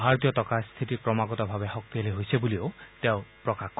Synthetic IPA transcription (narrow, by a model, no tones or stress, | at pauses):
bʱaɾɔt̪iɔt̪ɔkast̪ʰitiɾkɾɔmaɡɔt̪ɔbʱabehɔk̚t̪ialiɦojsʰebuliot̪eʊpɾɔkak